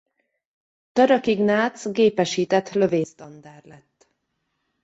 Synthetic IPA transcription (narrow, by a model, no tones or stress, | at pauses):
t̪ɒɾɒkiɡnaːt̪sɡeːpɛʃiːt̪ɛt̪ːlø̞veːst̪ɒnd̪aːrlɛt̪ː